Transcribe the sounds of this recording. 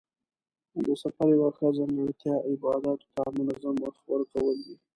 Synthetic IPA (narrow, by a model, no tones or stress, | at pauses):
d̪əsafaɾwaxazaŋɡaɽt̪jɑʔɪbɑd̪ɑt̪o̥t̪amʊnazaməxwəɾkawəld̪i